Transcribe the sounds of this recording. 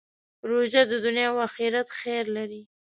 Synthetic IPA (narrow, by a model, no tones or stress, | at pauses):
ɾoʒad̪əd̪ʊnjɑwaxiɾat̪xeɾlaɾi